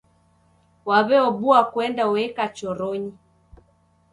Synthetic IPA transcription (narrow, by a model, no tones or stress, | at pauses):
waβɛɔbuakwɛndauɛkat͡ʃɔɾɔɲi